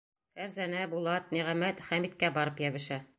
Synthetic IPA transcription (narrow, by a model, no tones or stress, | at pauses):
fæɾzænæbulˠɑt̪̚niʁæmæt̪χæmit̪̚kæbɒɾɤpjæβɘ̆ʃæ